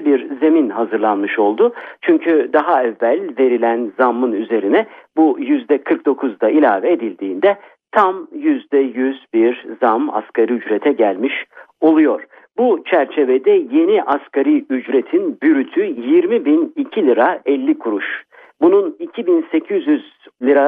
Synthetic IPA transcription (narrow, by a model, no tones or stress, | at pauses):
biɾze̞minhɦazɯɾlˠanmɯʃo̞lˠd̪ʊt͡ʃʰyɲcʰyd̪aɦaɛvːælʲve̞ɾilʲænzamːɯnyze̞ɾinɛbujyzd̪ɛkʰɯɾk̚d̪o̞kʰuzd̪ailʲaːvɛed̪ilʲd̪iːnd̪ɛ | t̪ʰamjyzd̪ɛjyzbiɾzama̰skʰaɾiyd͡ʒɾet̪ʰɛɟælʲmiʃo̞lˠujo̞ɾ̥ | but͡ʃʰæɾt͡ʃʰe̞ved̪ɛje̞niʔaskʰaɾiyd͡ʒɾe̞t̪ʰinbyɾyt̪ʰyjiɾmibinicʰilʲiɾaɛlʲːikʰuɾuʃ | bununicʰibinse̞cʰyzjyz | lʲiɾa